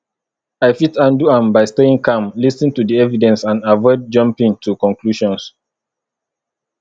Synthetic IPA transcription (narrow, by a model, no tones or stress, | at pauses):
aɪfitãnduãmbaɪsteĩŋkãmlisnĩŋtudiɛvidɛ̃nsãnavɔɪd̚d͡ʒʌ̃mpĩŋtʰukɔ̃nkluʃɔ̃ns